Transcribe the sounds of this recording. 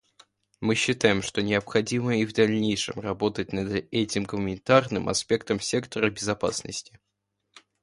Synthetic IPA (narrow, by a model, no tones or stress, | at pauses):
mɨɕːɪt̪ajɪmʂt̪o̞nʲɪəpxɐdʲiməivd̪ɐlʲnʲejʂɨ̰mrɐbo̞t̪ət̚ʲnɐd̪ɛtʲɪmɡəmənʲɪnt̪arnɨmɐ̰spʲe̞kt̪əmsʲe̞kt̪əɾəbʲɪzɐpa̰snə̰sʲtʲɪ̥